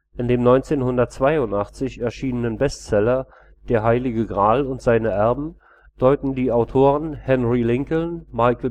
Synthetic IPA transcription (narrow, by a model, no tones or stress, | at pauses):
ʔɪndeːmnɔʏnt͡seːnhʊndɐtt͡sv̥aɪʊntʔaχt͡sɪçɛɐʃiːnənənbɛstt͡sɛlɐ | d̥eːɐɦaɪlɪɡəɡʁaːlʊntz̥aɪnəʔɛɐbm̩ | d̥ɔʏtn̩diːaʊtʰoːʁənhɛnʁilɪŋkl̩maɪkl̩